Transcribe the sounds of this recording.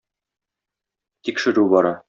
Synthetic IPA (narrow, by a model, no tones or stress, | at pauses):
t̪ikʃɘ̆ɾʉbɒɾɑ